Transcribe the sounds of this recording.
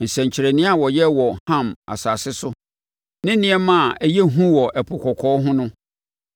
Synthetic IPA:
n̩˨sæ̃˨ɲ˨t͡ɕʰɪ˨ɾæ˨nĩ˦a˨wɔ˨jɛ˦wɔ˨hã˦ma̰˨saː˨sɪ˦sʊ˦ | nɪ̃˦nĩ˦ɛ˦mã˦˨æ˦jɛ˦ɦũ˦wɔ˨ʔæ˨pʰʊ˨kʷʰɔ˨kʰɔː˨˦ɦʊ̃˦nʊ̃˦

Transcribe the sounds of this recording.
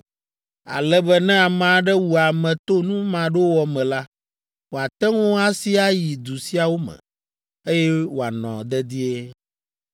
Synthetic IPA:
a̰˨lɛ˦bɛ˦nɛ̃˦a˨mã˨ɖɛ˦wu˨a˨mɛ̃˨t̪o˦nũ˦mã˨ɖo˦wɔ˨mɛ̃˨la˦ | wo˨a˨t̪ɛ˦ŋɔ̃˦a˦si˦a˦ji˨d̪u˨si˦a˨wo˦mɛ̰̃˨ | e˦jɛ˦wo˨a˨nɔ̰̃˨d̪ɛ˦d̪i˦e˦

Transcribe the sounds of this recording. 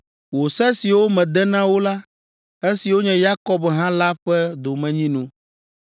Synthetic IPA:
wo˨sɛ˦si˨wo˦mɛ̃˨d̪ɛ˦nã˦wo˦la˦ | e˦si˨wo˦ɲɛ̃˨ja˦kɔ˦bɦã˦la˦ɸɛ˦d̪o˨mɛ̃˨ɲĩ˦nũ˦

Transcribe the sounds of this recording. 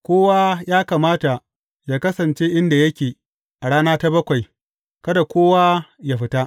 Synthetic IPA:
kʷoː˦wa˦jaː˦kaː˨maː˦ta˨ | jaː˦kɐ˦sɐ˨nt͡ʃe˦ʔɪ˦nda˨jɐ˦kʲeː˨ | ʔa˨ɽaː˦naː˦ta˦bɐ˦kʷa˨j | kɐ˦da˨kʷoː˦wa˦ja˦ɸɪ˦ta˦ʔ

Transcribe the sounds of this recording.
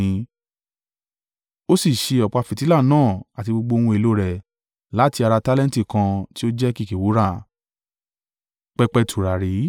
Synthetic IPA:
ĩ˧˦ | o˦si˦˨ʃe˧ɔ˨k͡pa˧fi˨ti˨˦la˦˨nãː˦˨a˨ti˧ɡ͡bo˧ɡ͡bõ˧ũ˧e˨˧lo˨˦ɾɛ˨ | la˨˦ti˧a˧ɾa˧ta˦lɛ̃˦n˦ti˦˨kã˧ti˦o˦d͡ʒɛ˦ki˦˨ki˨wu˨˦ɾa˦˨ | k͡pɛ˦k͡pɛ˦tʰu˨ɾa˨ɾi˨˦

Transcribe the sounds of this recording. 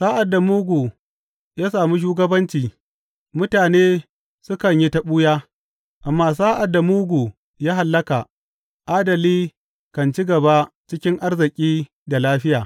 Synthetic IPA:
sa˦ʔa˨dːa˨muː˦ɡʷuː˨ | jaː˦saː˨mu˦ʃ̬uː˦ɡɐ˦bɐ˦nt͡ʃiː˨ | mʊ˦taː˨neː˦ | sʊ˦kɐ˨ɲji˦tɐ˦ɓu˦jaː˦ | ʔa˨mːaː˦s̬a˦ʔa˨dːa˨muː˦ɡʷu˨ | jaː˦ɦa˨lːɐ˦ka˨ | ʔaː˦dɐ˨liː˦ | kɐ˨nt͡ʃi˦ɡɐ˨ba˦ | t͡ʃɪ˦kʲɪ˦ŋʔa˦rzɪ˨kʲʼiː˦ | da˨laː˦ɸɪ˦jaː˨

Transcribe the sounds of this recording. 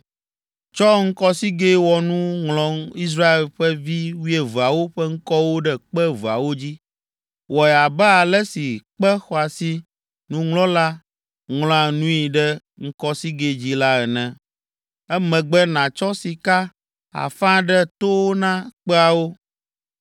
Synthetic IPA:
t͡ʃɔ˦ŋ̩˦kɔ˦si˦ɡe˦wɔ˨nũ˦ŋlɔ̃˨i˦s̬ɾa˦e˨lɸɛ˦vi˦wi˦ɛ˨vu˨a˨wo˦ɸɛ˦ŋ̩˦kɔ˦wo˦ɖɛ˦k͡pɛ˦vu˨a̰˨wo˦d͡ʑi˦ | wɔ˨ɛ˨a˨bɛ˦a˨lɛ˦si˨k͡pɛ˦xɔ˨a˨si˦ | nũ˦ŋlɔ̃˦la˦ | ŋlɔ̃˦a˨nũ˦i˨ɖɛ˦ | ŋ̩˦kɔ˦si˦ɡe˨d͡ʑi˦la˦ɛ˨nɛ̃˨ | ɛ˦mɛ̃˨ɡ͡bɛ˦nã˨t͡ʃɔ˦si˨ka˦ | a̰˨fã˦ɖɛ˦t̪o˦wo˦nã˦k͡pɛ˦a˨wo˦

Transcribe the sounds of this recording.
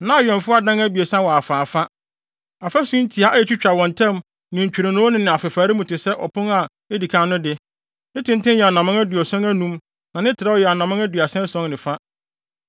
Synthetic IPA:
nã˦a˨ɥɛ̃˨nfʊ˦a˨dã˦ŋæ˦bi˨e˨sã˦wɔ˨a˨faː˨fa˦ | a˨fa˦sʊ̃˦n̩˦tʰi˨a˨ʔa˦ɛ˦˨t͡ɕᶣi˦t͡ɕᶣa˨wɔ̃˨ntʰã˦m | nɪ̃˨ɲ̩˨t͡ɕᶣi˨ɾa˨nʊ̃˦o˦nɪ̃˦nɪ̃˨a˨fɪ˨faː˨ɾɪ˦mũ˨tɪ˨sɛ˦ʔɔ˨pʰʊ̃˦na˨ | e˦di˨kʰãː˦nʊ̃˦dɪ˦ | nɪ̃˦tʰɪ̃˦ntɪ̃˦jɛ˨a˨nã˨mɪ̃˦ŋæ˦du˨ɔ˨sɛ̃˦næ˦nũ˦m | nã˨nɪ̃˦tʰɪ˨ɾa˦ɔ˦˨jɛ˨a˨nã˨mɪ̃˦ŋæ˦dɥa˨sɛ̃˦sɔ̃˦ŋnɪ̃˨fa˦

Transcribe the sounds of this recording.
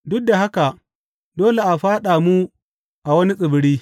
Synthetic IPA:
dʊ˦k̚da˨ɦa˦ka˨ | doː˦le˨ʔa˨ɸaː˦ɗa˨mu˦ | ʔa˨wɐ˦ni˦si˨bi˨ɾiː˦

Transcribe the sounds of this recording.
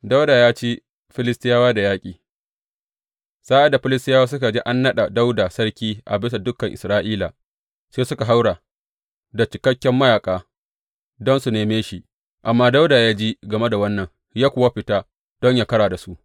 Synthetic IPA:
da˦wdaː˨jaː˦t͡ʃiː˦ | ɸɪ˦lɪ˦stɪ˦jaː˦waː˦da˨jaː˦kʲʼiː˨ | saː˦ʔa˨da˨ɸɪ˦lɪ˦stɪ˦jaː˦waː˦s̬ʊ˦ka˨d͡ʒi˦ʔa˦nːɐ˦ɗa˨da˦wdaː˨sɐ˦ɽkʲiː˦ʔa̰˨bɪ˦s̬a˨dʊ˦kːɐ˨ŋʔɪ̰˨sɾaː˦ʔiː˦laː˨ | seː˦sʊ˦ka˨ɦa˦wɽa˨ | da˨t͡ʃɪ˨kɐ˦kʲːɛ˦mːɐ˦jaː˨kʼaː˦ | dɔ˦nsu˨neː˨meː˦ʃi˨ʔ | ʔa˨mːaː˦da˦wdaː˨jaː˦d͡ʒi˦ɡɐ˨me˦da˨wɐ˦nːɐ˨ŋ | jaː˦kʷʊ˨wa˦ɸɪ˨ta˦ | d̥ɔ˦ɲjaː˦kɐ˦ɽaː˨da˨su˦ʔ

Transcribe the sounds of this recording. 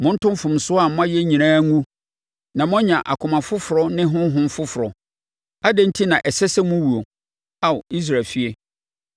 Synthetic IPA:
mʊ̃˦n̩˦tʊ̃˦m˦fʊ̃˨msʊ˦a˨m˦m˦ã˦jɛ˦ɲĩ˨nãː˦ŋũ˦ | nã˨mʊ̃˦ɲã˨ʔa˨kʰʊ˨mã˨fʊ˦fʊ˨ɾɔ˦nɪ̃˦ɦʊ̃˦ɦʊ̃˦m̩˦fʊ˦fʊ˨ɾɔ˨ | a˦dɛ̃˦n̩˦tʰi˦nã˨ʔɛ˨sɛ˦sɛ˦mʊ̃˦wu˨o˨ | a˦wi˦s̬ɾaː˨lfi˦e˦

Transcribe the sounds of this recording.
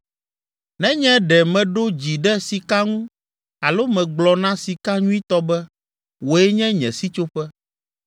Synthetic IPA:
nɛ̃˦ɲɛ̃˦ɖɛ˨mɛ̃˨ɖo˦d͡ʑi˨ɖɛ˦si˨ka˦ŋũ˦ | a˨lo˦mɛ̃˨ɡ͡blɔ˨nã˦si˨ka˦ɲũ˦i˦t̪ɔ˦bɛ˦ | wo˨ɛ˦ɲɛ̃˦ɲɛ̰̃˨si˦t͡ʃo˦ɸɛ˦

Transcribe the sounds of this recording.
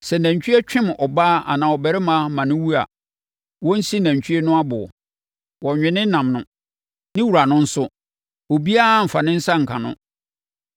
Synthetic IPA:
sɛ˨næ̃˨ɲ˨t͡ɕᶣɥɛ˦t͡ɕᶣɪ̃˦m˨ʔɔ˨baː˦a̰˨nãː˨ɔ˨bɛ˨ɾɪ˦mã˦mã˨nʊ̃˦wu˦a̰˨ | wɔ̃˦n̩˦si˦næ̃˨ɲ˨t͡ɕʰᶣi˦ɛ˦nʊ̃˦a˦bʊ˨ɔ̰˨ | wɔ˨ɲᶣɪ̃˨nɪ̃˦nã˨mnʊ̃˦ | nɪ̃˦wu˨ɾa˨nʊ̃˦n̩˦sʊ˦ | o˨bi˦a˦˨m̩˨fa˨nɪ̃˦n̩˦sa˦ŋ̩˨kʰã̰˨nʊ̰̃˦

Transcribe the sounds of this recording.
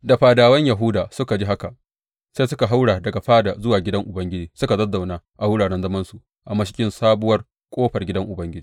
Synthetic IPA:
da˨ɸaː˨daː˨wɐ˦ɲja˨ɦʊ˦daː˨sʊ˦ka˨d͡ʒi˦ɦa˦ka˨ | sa˦sʊ˦ka˨ɦa˦wɽaː˨dɐ˨ɡa˨ɸaː˦da˨zʊ˦waː˨ɡʲɪ˦dɐ˦ŋʔʊ˨bɐ˦ŋɡʲɪ˦d͡ʒiː˨sʊ˦ka˨dɐ˦dːa˨wnaː˦ʔa˨hʊ˦ɽaː˨ɽɛ˦nzɐ˦mɐ˦nsu˨ | ʔa˨mɐ˦ʃɪ˦kʲɪ˦nsaː˦bʊ˦wɐ˦r | kʷʼoː˦ɸɐ˨rɡʲɪ˦dɐ˦ŋʔʊ˨bɐ˦ŋɡʲɪ˦d͡ʒiː˨

